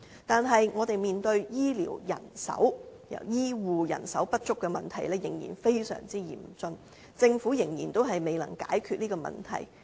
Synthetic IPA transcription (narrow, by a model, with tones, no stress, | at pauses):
t̪aː˨nɦɐ˨jŋɔː˨˧t̪e˨jmiː˨nt̪ɵ˧ɥjiː˥lḭː˨˩wjɐ̰˨˩nsɐ̰˨˥wjɐ̰˨˩wjiː˥wuː˨jɐ̰˨˩nsɐ˨˥wpɐ˥t̚t͡ʃʊ˥kːɛː˧mɐ˨nt̪ʰɐ˨˩jlɛː˥jɪ˨˩ŋjḭː˨˩nfe˥jsœ̰ː˨˩ŋt͡siː˥jḭː˨˩mt͡sɵ˧n | t͡sɪ˧ŋfu˨˥jɪ˨˩ŋjiː˨˩nt̪o˥wɦɐ˨jme˨jlɐ̰˨˩ŋkaː˨˥jkʰyː˧t̚niː˥kɔː˧mɐ̰˨nt̪ʰɐ̰˨˩j